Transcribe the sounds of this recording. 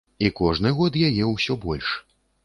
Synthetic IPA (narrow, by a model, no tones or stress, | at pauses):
ikɔʐnɨɣɔt̪jajɛwsʲɔbɔlʲʂ